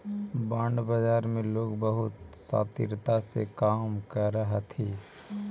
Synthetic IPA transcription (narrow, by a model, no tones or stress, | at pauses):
bãːɳɖbəd͡ʒaːɾmẽloːɡbəɦʊt̪sa̰ːt̪ɪ̰ɾt̪asḛkaːmkəɾəɦt̪ʰiː